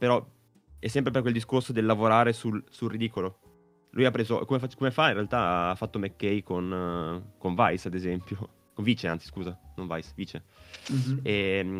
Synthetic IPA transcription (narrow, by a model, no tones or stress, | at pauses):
peɾɔ | ɛsːɛmpɾep̬erkweld̪iskorsod̪elːavoɾaːɾesulsulrːid̪iːkolo | lujapːɾeːzokomefakomefainrealt̪aaafːat̪ːomekːɛjkonkoɱvajsad̪ezɛmpjo | koɱviːt͡ʃeant̪si̥skuːzanoɱva̰jsviːt͡ʃe | ɛ